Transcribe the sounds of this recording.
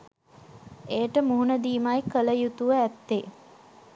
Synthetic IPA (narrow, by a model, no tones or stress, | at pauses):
eːʈəmuɦunəd̪iːmajkələjut̪uʋəæt̪ːe